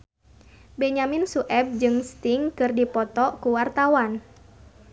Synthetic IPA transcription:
bɛɲaminsuʔɛb̚d͡ʒɨŋst̪iŋkɨrdipɔt̪ɔkuwart̪awan

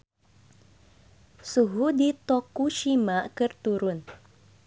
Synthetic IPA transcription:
suɦudit̪ɔkuʃimakɨrt̪uɾʊn

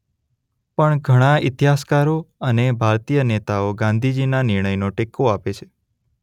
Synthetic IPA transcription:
pəɳɡʱəɽ̃aɪt̪iɦaskaɾoənebʱaɾt̪ijənet̪aoɡãnd̪ʱid͡ʒinanɪɾɳ̃əjnoʈekoapet͡ʃʰe̥

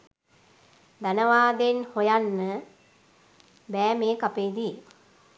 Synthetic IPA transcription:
d̪anəʋaːd̪enhojanːə | bɛːmeːkapeːd̪i

